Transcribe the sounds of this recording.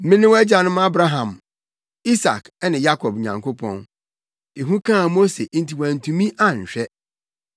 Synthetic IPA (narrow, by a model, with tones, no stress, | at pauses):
mɪ̃˦nɪ̃˦wɛ˦d͡ʑa˨nʊ̃˦ma˦bɾa˦ɦã˨m | i˦sa̰˨k | ɛ˦nɪ̃˨ja˦kʰɔ˨b̚ɲã̰˨ŋkʰo˦pʰɔ̰̃˦n | e˨ɦũ˦kʰãː˦˨mo˦se˨ʔn̩˦ti˨wæ̃˨n˨tʰũ˨mĩ˦ʔa˦ɲ̩˨ɕᶣɛ˦